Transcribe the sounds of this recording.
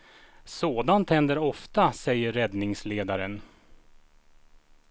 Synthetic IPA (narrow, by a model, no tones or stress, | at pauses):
soːd̪ant̪hɛnd̪əɾɔft̪asɛjːəɾːɛd̪nɪŋsleːd̪aɾən